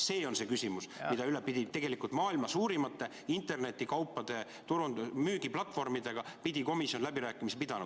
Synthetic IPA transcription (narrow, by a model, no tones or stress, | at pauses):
se̞ːo̞nse̞kysʲimusmmid̪̥ɑylepid̥̪ʲit̪e̞ɡelikˑult̪mɑːilmɑsuːɾimɑt̪ːˑe̞ | int̪e̞rne̞t̪ːˑikɑwpːˑɑd̪̥e̞ | t̪uɾund̪myːɡiplɑt̪ːˑfo̞rmid̪e̞ɡ̥ɑpid̪̥iko̞misjo̞nlæbiɾæːkːˑimisepid̪̥ɑnu